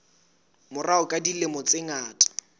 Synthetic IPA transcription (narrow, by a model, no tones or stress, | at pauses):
mʊraʊkʼadilemɔt͡sʼɪŋaːtʼḁ